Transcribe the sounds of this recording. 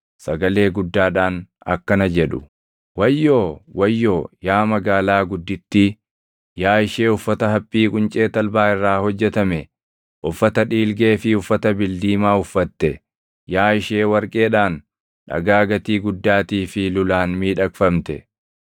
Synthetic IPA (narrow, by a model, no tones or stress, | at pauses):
sɐɡɐle̞ːɡʊd̪ːaːᶑaːnɐ̰kːɐnɐd͡ʒɛᶑʊ̰ | wɐjːo̞ːwɐjːo̞ːjaːmɐɡaːlaːɡʊd̪ːɪt̪ːɪ | jaːɪʃeːʊfːɐt̪ɐɦɐpʼːiːkʼʊnt͡ʃʼeːt̪ɐlbaːɪrːaːhɔd͡ʒːɛt̪ɐmɛ | ʔʊfːɐt̪ɐᶑiːlɡe̞ːfɪʊfːɐt̪ɐbɪld̪iːmaːʊfːɐt̪ːɛ | jaːɪʃeːwɐɾkʼe̞ːᶑaːn | ᶑɐ̰ɡaːɡɐt̪iːɡʊd̪ːaːt̪iːfɪlʊlaːnmiːᶑɐkfɐmt̪ɛ̰